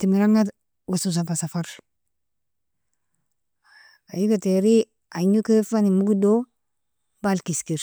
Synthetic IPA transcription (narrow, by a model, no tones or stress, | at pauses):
timiɾaŋa | wasus̬apasafaɾ | ajikateɾi | aɲukefanimuɡdo | balkiskiɾ